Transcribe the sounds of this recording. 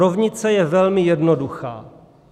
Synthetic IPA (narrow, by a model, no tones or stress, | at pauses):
ovɲɪt͡sɛjɛvɛlmɪjɛdnoduxa̰ː